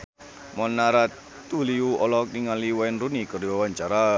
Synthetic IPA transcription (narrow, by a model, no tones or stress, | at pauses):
mɔnːaɾa | t̪uliuɔlɔk̚niŋaliwaɛnrunikəriwawaɲt͡ʃaɾa